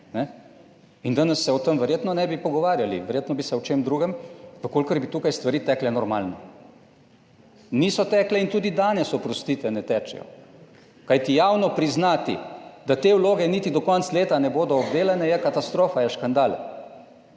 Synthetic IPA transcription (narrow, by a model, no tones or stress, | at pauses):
nɛ | ind̪anɛsːɛɔt̪əmʋɛɾjeːt̪nɔnɛbipɔɡɔʋaːɾjalḭʋɛɾjeːt̪nɔbisɛwt͡ʃemd̪ɾuːɡɛmʋəkoːlkəɾbit̪uːkajst̪ʋaɾiːt̪ɛklɛnɔɾmaːlnɛ | nisɔt̪ɛːklɛint̪uːd̪id̪aːnɛsɔpɾɔst̪iːt̪ʋɛnɛt̪ɛt͡ʃɛ̰jɔ̰ | kajt̪ijaːwnɔpɾiznaːt̪ḭd̪at̪eːwloːɡɛnit̪id̪ɔkɔnt̪sleːt̪anɛboːd̪ɔːbd̪eːlɛnɛjɛkat̪ast̪ɾoːfajɛʃkand̪aːlɛ